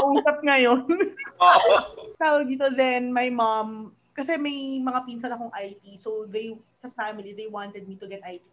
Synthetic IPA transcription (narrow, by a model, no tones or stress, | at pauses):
kɐʔuːsɐp̚ŋɐjon | t̪aːwɐɡ̚d̪iːt̪oðɛnmɐjmam | kɐsɛmɐjmɐŋapinsɐnɐkoŋʔajt̪isowðej | sɐfamɪliðejwãnt̪ɛd̪̚mit̪ʊɡɛt̪̚ʔajt̪i